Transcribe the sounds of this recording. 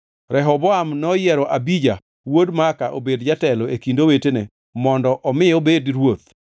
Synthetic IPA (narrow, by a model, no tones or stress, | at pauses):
rɛɦɔbɔamnɔjɛɾɔʔabid͡ʒa | wodmakaʔo̰bedd͡ʒatɛloekindowetene | mɔndɔʔɔmɪobedɾwot̪̚